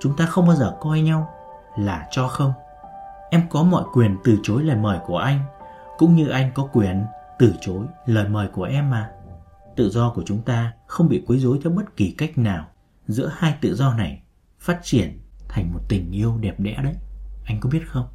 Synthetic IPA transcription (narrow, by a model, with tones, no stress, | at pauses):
t͡ɕʊ˨˦ŋ͡mt̪aː˧xə˧wŋ͡mɓaː˧wzəː˨˩kɔ˧jɲa˧w | laː˨˩t͡ɕɔ˧xə˧wŋ͡m | ʔɛ˧mkɔ˨˦mɔ̰˧˨jkwi˨˩ənt̪ɨ˨˩t͡ɕo˨˦jləː˨˩jməː˨˩jku˧˩əʔa˧jŋ̟ | kʊ̰˧˥ŋ͡mɲɨ˧ʔa˧jŋ̟kɔ˨˦kwi˨˩ənt̪ɨ˨˩t͡ɕo˨˦jləː˨˩jməː˨˩jku˧˩əʔɛ˧mːaː˨˩ | t̪ɨ̰˧˨zɔ˧ku˧˩ət͡ɕʊ˨˦ŋ͡mt̪aː˧xə˧wŋ͡mɓḭ˧˨kwi˨˦jzo˨˦jt͡ɕɔ˧ɓə˦˥t̚ki˨˩ka˦˥jk̟̚naː˨˩w | zɨ̰˧˥əhaː˧jt̪ɨ̰˧˨zɔ˧na˨˩j | faː˦˥t̚t͡ɕi˧˩ənt̪ʰa˨˩ŋ̟mo˨˩t̚t̪ï˨˩ŋ̟ʔi˧əwɗɛ˨˩p̚ɗɛ̰˧˥ɗə˨˦jʔa˧jŋ̟ku˨˧˦ɓi˦˥ət̚xə˧wŋ͡m